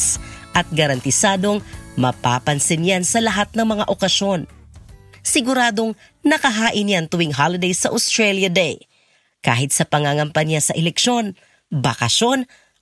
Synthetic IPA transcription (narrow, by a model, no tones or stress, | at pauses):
sʔɐt̪̚ɡɐɾɐnt̪ɪsaːd̪o̞ŋmɐpa̰ːpɐnsɪnjansɐlɐɦat̪̚nɐŋmɐŋa̰ʔokɐso̞n | sɪɡʊɾaːd̪o̞ŋ | nɐkɐɦaːʔɪnjant̪ʊwɪŋɦalɐd̪ɛjsɐʔʊst̪ɹɛljɐd̪ɛj | ka̰ːhɪt̪̚sɐpɐŋaŋɐmpɐnjasɐʔɛlɛkʃo̞n | bɐkɐʃo̞n